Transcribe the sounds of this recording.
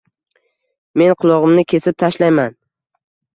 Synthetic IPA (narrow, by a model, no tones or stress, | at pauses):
me̞nqʰʊlˠɒʁɨmnɪkʲʰe̞sɪp̚t̪ʰaʃlajman